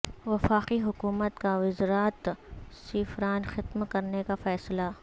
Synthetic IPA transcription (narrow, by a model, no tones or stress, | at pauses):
ʋɐfaːqiɦʊkuːmət̪kaʋɪzɾaːt̪sɪːfɾaːnxɪt̪mkɐɾnekafɛːsla